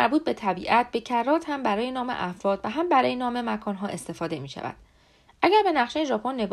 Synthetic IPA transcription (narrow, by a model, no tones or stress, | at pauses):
æɾbuːt̪̚be̞t̪ʰæbiːʔæt̪̚be̞cʰærːɒːt̪hæmbæɾɒːje̞nɒːmḛʔæfɾɒːd̪̥væɦæmbæɾɒːjenɒːme̞mækʰɒːnɦɒːʔe̞st̪e̞fɒːd̪e̞miːʃæ̰væ̰d̪̥ | ʔæɟæɾbe̞næχʃejeʒɒːpʰonːe̞b